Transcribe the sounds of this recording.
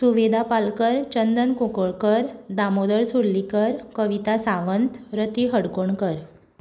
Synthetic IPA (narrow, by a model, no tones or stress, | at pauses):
suʋed̪ʱapalkəɾt͡ɕənd̪ənkukoɭkəɾd̪amod̪əɾsuɾlikəɾkəʋit̪asãʋənt̪ɾət̪iɦəɽkoɳkəɾ